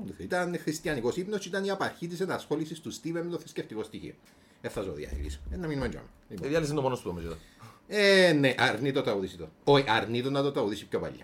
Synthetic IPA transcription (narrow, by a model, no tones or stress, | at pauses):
it̪ɐnxɾist̪jɐniko̞sipnost͡ʃit̪ɐniɐpɐɾçit̪̬is̬enɐsxo̞lisist̪ust̪ivemːet̪oθi̥sceft̪iko̞st̪içḭo̰ | efθɐsoðiɐ̰ḭlḭsenːɐminmend͡ʒo̰me | iiɐlis̬ind̪omonost̪ut̪omisit̪oeneʔɐɾnit̪ot̪ɾɐuðisit̪ooiʔɐɾnit̪onːɐt̪ot̪ɾɐuðisipçopɐ̰ʎːɐ̰